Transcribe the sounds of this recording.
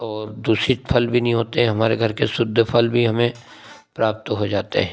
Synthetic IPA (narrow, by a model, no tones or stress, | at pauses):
ɔːɾd̪uːsɾipʰɐlbʱinɐɦĩɦoːt̪eɦɛ̃ɦɐmaːɾeɡʱɐɾkesʊd̪ʱːəpʰɐlbʱiɦɐmẽ | pɾaːp̚t̪ɦod͡ʒaːt̪ḛɦɛ̃ː